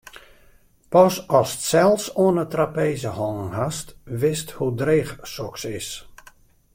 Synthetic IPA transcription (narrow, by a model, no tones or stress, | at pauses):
pɔsɔsə̥tsɛlˠfsoənətrapeːzəhɔŋnhastʋɪsthudreːxsɔksɪs